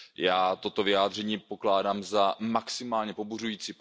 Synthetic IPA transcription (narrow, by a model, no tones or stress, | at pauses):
jaːt̪o̞t̪o̞vɪaːd̪r̝ɛɲiːpo̞klaːdaːmzamaksɪmaːlɲɛpoburujiːt͡siːp